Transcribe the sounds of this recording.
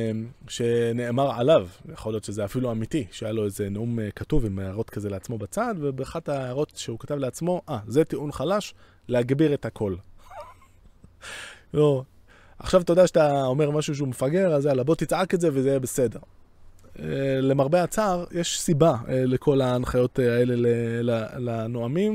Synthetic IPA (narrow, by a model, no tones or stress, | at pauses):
ʃe̞neʔːmaʁʕa̰lavjaχo̞lijo̞t̪ʃezeafiluamitiʃeajalo̞ezeneumkatuvimaʁo̞t̪kazeleat͡smo̞bat͡sad̪vebeaχat̪aʁo̞tʃeukatavleat͡smo̞ʔazet̪iʔunχalaʃ | leaɡbiʁet̪hakʰo̞l | o | aχʃavt̪od̪aʃatao̞me̞ʁmaʃuʃ̬eumefaɡe̞ʁazalabo̞t̪it͡sʕaketze̞vezejebese̞de̞ʁ | le̞maʁbeat͡saʁjeʃsibalekʰo̞lanχajo̞tae̞lelelalanoamim